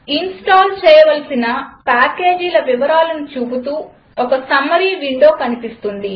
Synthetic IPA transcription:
insʈaːlt͡ʃɛːjɐʋɐlsinɐpaːke̞ːd͡ʒiːlɐʋiʋɐɾaːlɐnit͡ʃuːbut̪uː | ɔkɐsɐmːɐɾiːʋiɳɖo̞ːkɐnipist̪und̪i

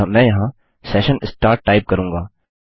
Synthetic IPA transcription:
mɛ̃ːjɐɦã | sɛːʃənɪsʈaːɾʈːaːɪp̚kɐɾũːŋɡaː

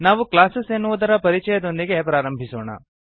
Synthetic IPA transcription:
naːʋuklaːsesenːuʋud̪ɐɾɐpɐɾit͡ʃɛjɐd̪o̞nd̪iɡe̞pɾaːɾɐmbʱiso̰ːɳɐ̰

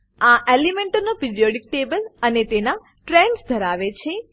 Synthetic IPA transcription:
ãʔelimɛ̃ɳʈənopɪɾijoɖik̚ʈebələnet̪ena | ʈɾɛɳɖsd̪ʱəɾaʋet͡ʃʰe

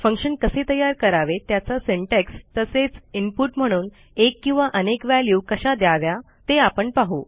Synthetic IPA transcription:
fəŋkʂənkəset̪əjːaɾkəɾaʋet̪jat͡sasiɳʈekst̪əset͡simpuʈm̤əɽ̃uːn | ekːĩw̃ʋaʔənekʋæljuːkəɕad̪jaʋja | t̪eapəɳpaɦu

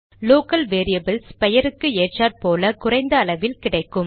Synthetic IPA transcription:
loːkɐlʋeːɾijɐbɐlspɛjɐɾɯkːɯeːʈt͡ʃaːʈpoːlɐkʊrɐɪnd̪ɐːɭɐʋɪlkɪɽɐɪkːɯm

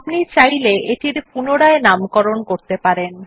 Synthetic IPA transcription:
pnit͡ɕajleʔeʈiɾpunoɽaenamkɔɾonkoɾt̪epaɾen

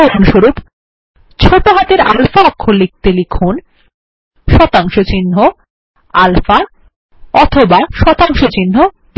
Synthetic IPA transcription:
ɾonʃoɾup | t͡ɕʰoʈoɦat̪eɾalfakʰːolik̚t̪elikʰun | ʃɔt̪aŋʃot͡ɕinɦo | alfa | ɔt̪ʰobaʃɔt̪aŋʃot͡ɕinːo | b

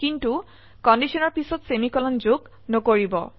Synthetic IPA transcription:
kintu | kɔndisɔnɔɹpisɔtsemikɔlɔnzoɡ | nɔkoɹibɔ̰

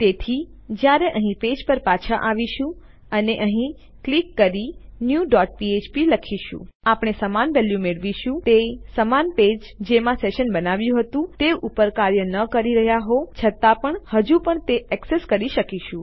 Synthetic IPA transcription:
t̪et̪ʰi | d͡ʒjaɾeʔəɦĩped͡ʒpəɾpat͡ʃʰaʔaʋiʃũ | əneʔəɦĩ | klikːəɾinjuɖɔʈ̚piet͡ʃpiləkʰiʃṵ̃apɳ̃esəmanʋɛljumeɭʋiʃũt̪esəmanped͡ʒ | d͡ʒemãseʃənbənaʋjũɦət̪ũt̪eupəɾkaɾjənəkəɾiɾəɦjaɦot͡ʃʰət̪apəɳhəd͡ʒupəɳt̪eɛkseskəɾiʃəkiʃũ

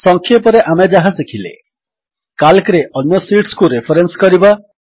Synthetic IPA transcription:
sɔŋkʰjepɔɾeʔamed͡ʒaɦasekʰilḛ | kalkɾeʔɔnjɔsiʈskuɾepʰɔɾenskɔɾiba

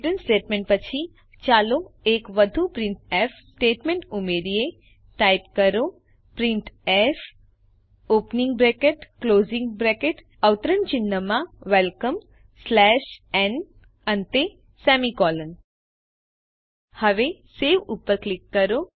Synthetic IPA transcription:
ʈənsʈeːʈmẽɳʈ̚pət͡ɕʰi | t͡ʃaːloeːkʋəd̪ʱupɾɪ̃ɳʈɛfsʈeːʈmẽɳʈumeɾije | ʈajpkəɾo | pɾĩɳʈɛf | oːpnĩŋɡbɾekeʈkloːzĩŋɡbɾekeʈ | əʋt̪əɾənt͡ʃɪnːəmãʋelkəm | slɛʃɛn | ənt̪e | sɛmikɔːlən | həʋeseːʋupːəɾklɪkːəɾo

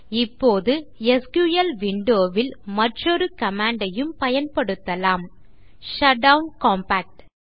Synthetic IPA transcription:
ɪpːoːðɯɛskuːjɐlʋɪɳɖoːʋɪlmɐʈrɔɾɯkɐmaːɳɖɐjɯmpɐjɐnpɐɽɯt̪ːɐlaːm | ʃɐɖɐʊnkaːmpaːk̚ʈ

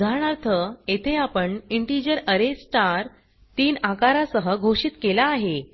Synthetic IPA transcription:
ɡʱaɾɳaɾt̪ʰəet̪ʰeapəɳiɳʈid͡ʑəɾəɾesʈaɾ | t̪iːnakaɾasəɦəɡʱoʂiːt̪kelaːɦe

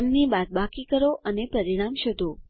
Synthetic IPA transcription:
mnibat̪̚bakikəɾoənepəɾiɽ̃amʃəd̪ʱo

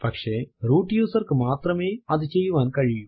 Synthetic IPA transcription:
pɐkʂeːɾuːʈjuːsɐɾkɨmaːt̪ɾɐmeːɐd̪ut͡ʃejuʋaːnkɐɻiju

